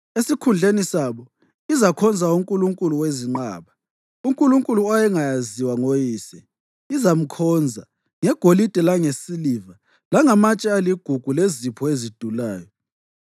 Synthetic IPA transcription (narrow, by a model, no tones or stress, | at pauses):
esikʰund͡ɮʱenisaβɔ | izakʰɔnd͡zʱauŋkʼuluŋkʼuluweziŋ͡ǃa̰ːβa | uŋkʼuluŋkʼuluajɛŋajaziwaŋojiːsɛ̰ | izam̩kʰɔnd͡zʱa | ŋɛɡ̥ʱolid̥ʱɛlaŋesiliva | laŋamat͡ʃʼɛaliɡ̥ʱuɡ̥ʱulezipʰɔezid̥ʱulaːjɔ